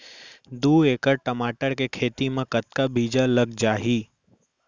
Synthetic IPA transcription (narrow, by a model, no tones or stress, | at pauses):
d̪uːekəɾʈəmaːʈəɾkekʰeːt̪imãkət̪kabʱiːd͡ʒaləɡd͡ʒaːɦiː